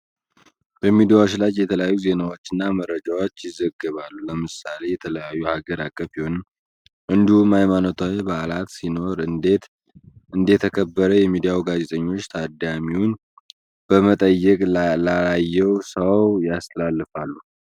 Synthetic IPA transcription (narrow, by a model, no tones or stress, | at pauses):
bəmid̪ijawot͡ʃlajjɛt̪ʰələjajːuze̞nawo̞t͡ʃːɨnːaməɾːəd͡ʒawot͡ʃːjɪzəɡɨβalːuləmɨsale̞jɛt̪ʰələjajːuhaɡəɾakʼːəfiho̞nm | ʔɨnd̪ihumajmanot̪ʰawebaʔlat̪sino̞ɾɨt̪ | ʔɨnd̪et̪ʰəkʰəbːəɾəjɛmid̪ijawuɡaze̞t̪ʼəɲːo̞t͡ʃːt̪ʰad̪amiwun | b̥əmət̪ʼəjːɛkʼlalajːɛwsəwjast̪ʰəlalːɨfalːu